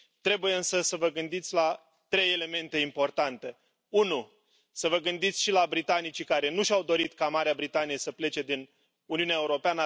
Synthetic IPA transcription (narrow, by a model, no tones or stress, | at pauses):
t̪ɾe̞buje̞ɨnsəsəvəɡɨnd̪it̪sʲla | t̪ɾe̞je̞le̞me̞nt̪e̞impo̞rt̪ant̪e̞ | unu | səvəɡɨnd̪it̪sʲʃilabɾit̪anit͡ʃikaɾe̞nuʃawd̪o̞ɾit̪kamaɾeabɾit̪anije̞səple̞t͡ʃe̞d̪in | uniuneaeuɾo̞peanə